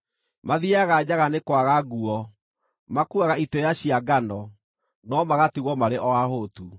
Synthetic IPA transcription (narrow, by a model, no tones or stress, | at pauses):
maðiaɣad͡ʑaɣanekwaɣaɡuɔ | makuaɣaitejaɕiaɡanɔ | nɔmaɣatiɣɔmaɾeʔɔaɦotu